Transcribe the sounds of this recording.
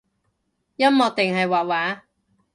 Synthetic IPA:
jɐ˥mːɔː˨˧t̪ɪ˨ŋɦɐ˨jwaː˨t̚waː˨˥

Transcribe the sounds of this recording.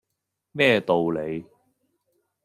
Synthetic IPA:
mɛː˥˧t̪o˨wle˨˧j

